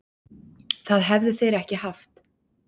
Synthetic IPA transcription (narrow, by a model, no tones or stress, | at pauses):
θaðɦɛvðɪθejɾɛhcɪhaft̪